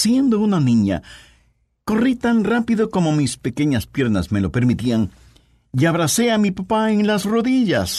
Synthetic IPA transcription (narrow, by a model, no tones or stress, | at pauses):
sje̞nd̪o̞unanĩɲa̰ | ko̞rit̪anrapiðo̞ko̞mo̞mispe̞ke̞ɲaspje̞ɾnasme̞lo̞pe̞ɾmit̪iaŋ | iaβɾase̞amipapaeŋlasro̞ðiʝa̰s